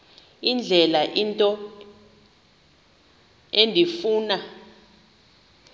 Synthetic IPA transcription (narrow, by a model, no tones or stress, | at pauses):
ind͡ɮʱɛlaʔintʼɔ | endʱifuːna